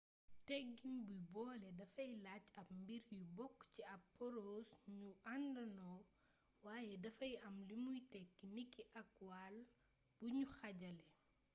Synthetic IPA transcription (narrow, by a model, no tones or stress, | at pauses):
tɛɡːinbujbɔːlɛdɐfɐjlat͡ʃɐpmbiɾjubɔkːciɐpːɔɾoːsɲuandɐnɔː | waːjɛdɐfɐjɐmlimujtɛkːinikːiʔɐkwal | b̥uɲuxɐɟɐlɛ